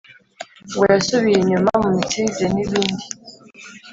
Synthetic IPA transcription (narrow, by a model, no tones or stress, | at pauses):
ɡwajasuβijeɲumamumitiːzeniβiːndi